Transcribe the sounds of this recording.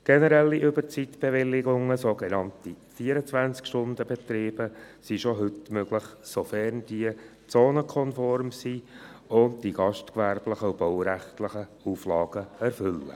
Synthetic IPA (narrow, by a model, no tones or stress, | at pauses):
ɡ̥ɛnəɾɛlːiʔʏbəɾt͡sit̪b̥eʋɪlːɪɡʊŋːəsoɡenɑntifiːəɾət͡sʋænt͡skʃtʊnd̪əbet̪ɾiːb̥əsiʃoɦʏtmøɡ̥ləχsofɛɾnd̥iə | t͡soːnəkʰɔnfɔɾmsiʊndd̥iɡ̥ɑʃtkʋæɾbləχəub̥ɔwɾæχtlɪχəuːflɑːɡ̥əɛɾfʏlːə̰